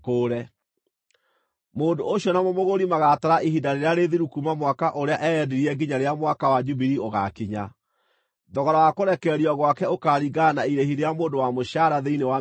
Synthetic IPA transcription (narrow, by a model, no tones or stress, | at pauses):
koːɾɛ | moːndoɕjɔnamomoɣoɾimaɣataɾaʔiɦidaɾeɾeaɾeðiɾukumamwakaʔoɾeaʔɛɛdiɾiɛɡiɲaɾeamwakawad͡ʒubiɾioɣa̰kiɲa | dɔɣɔɾɔwakoɾɛkɛɾiɔɣwakɛokaɾiɡanaiɾehiɾeamoːndowamoɕaɾaðeinewa